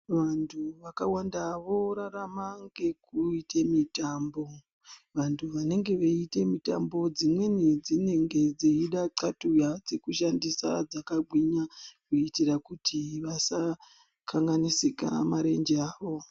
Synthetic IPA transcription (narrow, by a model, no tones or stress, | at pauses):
ʋantʰuʋakawandaʋo̞ɾaramaŋɡe̞kuitʰemitambo̞ | ʋantʰuʋane̞ŋɡe̞ʋeite̞mita̰mbo̞d͡zimwe̞nid͡zine̞ŋɡe̞d͡ziiɗaǀatujad͡zekuʃandisa̰d͡zakaɡʱwiɲakuitirakutʰiʋasa | kʰaŋɡanisika̰maɾe̞nd͡ʒeaːʋo̞